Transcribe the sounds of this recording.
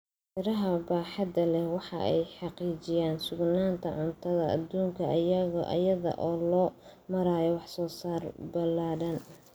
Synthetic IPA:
t̪ʰɪɾɐɦɐbaːħɑd̪ɐlɛhwɑħɑ̰ʔɛjħɑqiːt͡ʃɪjaːnsʊɡnaːnt̪ʰɐʕʊnt̪ʰɐðɐ̰ːd̪ːuːŋkʰɐʔɐjɐɣɔʔɐ̰jɐðɐ̰ʔɔːlɔːmɐɾaːjɔwɑħsɔːsaːrbɐlaːɽɐn

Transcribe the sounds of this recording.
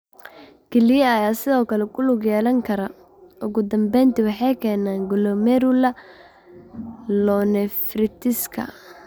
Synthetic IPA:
kʰɛlɪjɐɐjaːsɪðɔːkʰɐlɛkʰʊlʊɡjɛːlɐŋkʰɐɾɐ | ʔʊɣʊd̪ɐmbɛjnt̪ɪwɑħɑjkʰɛːnaːŋɡʊlɔmɛɾʊlɐ | lɔnɛfɾɪt̪ʰɪskʰɐ̰

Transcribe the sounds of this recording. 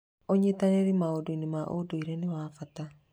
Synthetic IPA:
oɲetaneɾimaodoinimaʔodoiɾenewaːfata

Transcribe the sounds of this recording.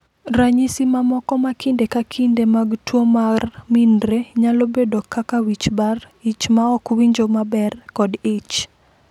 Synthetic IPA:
ɾaɲisimamɔkɔmakindekakʰindemaɡtwomarmindɾeɲalobedokakawit͡ʃbar | it͡ʃmaɔkwiɲd͡ʒomabɛrkɔdit͡ʃ

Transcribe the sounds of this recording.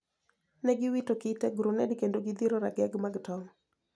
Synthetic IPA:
nɛɡɪwitokitɛɡɾunɛdkendoɡɪd̪iɾɔɾaɡɛɡmaɡtɔm

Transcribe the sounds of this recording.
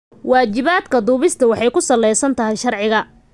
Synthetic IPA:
waːt͡ʃɪβaːd̪kʰɐd̪uːβɪst̪ʰɐwɑħɑjkʰʊsɐlːɛjsɐnt̪ʰɐɦɪjʃɐrʕɪɣɐ

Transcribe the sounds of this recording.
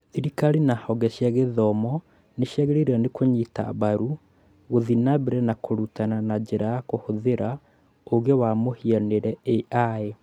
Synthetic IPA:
θiɾikaɾinahɔɡɛʃjɛɣeðɔmɔ | neʃjɛɣeɾeɾanekʰoɲita̰βaɾu | ɣoðinaβeɾɛnakoɾutananad͡ʑeɾajakohoðeɾa | oɣewamohianeɾɛeʔae

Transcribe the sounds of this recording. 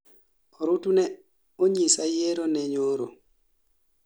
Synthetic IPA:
ɔɾutunɛ | oɲisajeɾonɛɲoɾo̰

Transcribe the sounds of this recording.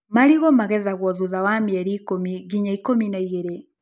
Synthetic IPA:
maɾiɣomaɣɛðaɣwɔðuðawamiɛɾiːkomiɣiɲaikominaiɣeɾe

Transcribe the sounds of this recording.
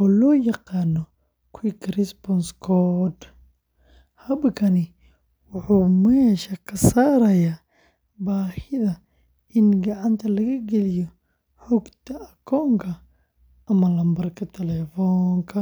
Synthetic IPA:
ɔːlɔːjɑqɑːnɔ | kʰʊkɾisbɔnskʰɔd̪ | hɐbkʰɐnɪ | wʊħuːmɛʃɐkʰɐsaːɾɐjaː | baːhɪðɐ | ʔɪnɡɐʕant̪ʰɐlɐɣɐɡɛlɪjɔ | ħɔɡt̪ʰɐɐkʰɔːŋkʰɐ | ʔɐmɐlɐmbɐrkʰɐt̪ʰɛlɛfɔŋkʰɐ

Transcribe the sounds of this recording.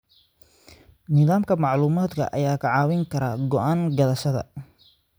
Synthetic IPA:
nɪðaːmkʰɐmɑʕluːmaːd̪kʰɐ̰ʔɐ̰jaːkʰɐʕɑːwɪŋkʰɐɾa̰ːɡɔʔaːŋɡɐlɐʃɐðɐ̰

